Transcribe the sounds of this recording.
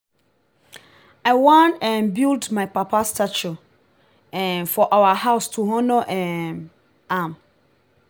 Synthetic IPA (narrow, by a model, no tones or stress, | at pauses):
aɪwãnɛ̃nbildmãɪpʰapʰastʰat͡ʃu | ɛ̃nfɔʔawahaʊstʰuɦɔ̃noʔɛn | ãm